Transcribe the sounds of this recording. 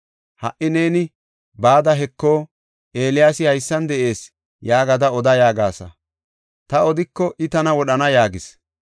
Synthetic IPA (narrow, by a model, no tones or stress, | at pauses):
hɐ̰ʔɪneːnɪ | baːd̪ɐɦɛkːo̞ː | ʔe̞ːlɪjaːsɪhɐjsːɐnd̪ɛʔe̞ːs | jaːɡɐd̪ɐɔd̪ɐjaːɡaːsɐ̰ | t̪ɐɔd̪ɪkːɔʔɪt̪ɐnɐwɔɗɐnɐjaːɡɪs